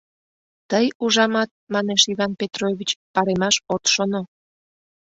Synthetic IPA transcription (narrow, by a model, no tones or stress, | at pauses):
t̪əjuʒɑmɑt̪̚mɑneʃiβɑnpet̪roβit͡ɕpɑɾemɑʃot̪ʃono